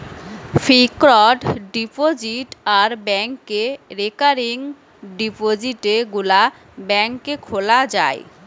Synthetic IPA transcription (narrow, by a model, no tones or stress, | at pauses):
fikɾɔɖɖipod͡ʑiʈaɾbɛŋkeɾekaɾiŋ | ɖipod͡ʑiʈeɡula | bɛŋkekʰolad͡ʑae